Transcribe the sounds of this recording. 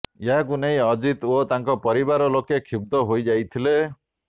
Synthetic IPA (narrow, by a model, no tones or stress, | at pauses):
eɦakuneĩɔd͡ʒit̪ot̪aŋkɔpɔɾibaɾɔlokekʰib̚d̪ɔɦojd͡ʒajt̪ʰile